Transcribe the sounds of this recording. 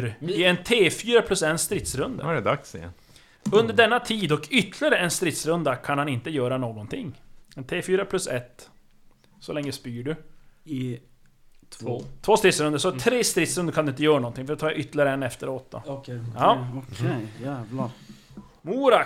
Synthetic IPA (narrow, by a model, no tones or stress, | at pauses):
ɾɪɛnt̪ʰeːfyːɾapʰlɵsɛnst̪ɾɪt̪sɾɵnd̪ə̰ɛd̪aks | ɵnd̪əɖɛnːat̪ʰiːd̪ɔkʰʏt̪ʰːlɪaɾəɛnst̪ɾɪt̪sɾɵnd̪akʰanhanɪnt̪əjœːɾanoːɡɔnt̪ʰɪŋːɛnt̪ʰeːfyːɾapʰlɵsɛt̪ː | sɔlɛŋːəspyːɖɵ | t̪ʰvoːst̪ɾɪt̪sɾɵnd̪əsɔt̪ʰɾeːst̪ɾɪt̪sɾɵnd̪əɾkʰand̪ɵɪnt̪əjœːɾanɔnt̪ɪŋfœɾɛt̪ʰɑːjaʔʏt̪ːlɪaɾəɛnɛft̪əɾoɔt̪ːa̰ɑɔkʰjæːvla | muːɾa